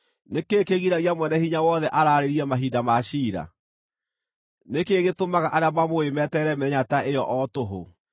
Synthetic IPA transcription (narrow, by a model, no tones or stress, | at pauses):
nekeːkeɣiɾaɣiamwɛnɛhiɲawɔðɛʔaɾaɾeɾiɛmaɦidamaɕiːɾa̰ | nekeːɣetomaɣaʔaɾeamamoemɛtɛɾɛmɛɲataʔejɔʔɔtoɦo̰